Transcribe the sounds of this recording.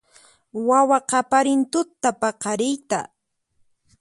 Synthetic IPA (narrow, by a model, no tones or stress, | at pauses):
wawaqɑpaɾɪnt̪ʊt̪ːapɑqɑɾɪjt̪a̰